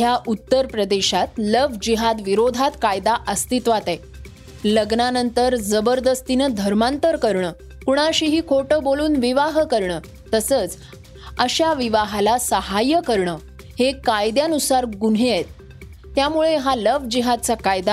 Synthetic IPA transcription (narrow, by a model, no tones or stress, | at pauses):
ɦjaʔut̪ːəɾpɾəd̪eɕat̪ləʋd͡ʑiɦad̪ʋiɾod̪ʱat̪kajd̪aʔəst̪it̪ʋat̪aj | ləɡnanənt̪əɾd͡zəbəɾd̪əst̪inəd̪ʱəɾmant̪əɾkəɾɳəː | kuɳ̃aɕiːɦiːkʰoʈəboluːnʋiʋaɦkəɾɳəː | t̪əsəːt͡s | əɕaʋiʋaɦalasəɦajəkəɾɳəː | hekajd̪janusaɾɡun̤ɦeajt̪̚ː | jamuɭeɦaləʋd͡ʑiɦad̪̚t͡sakajd̪a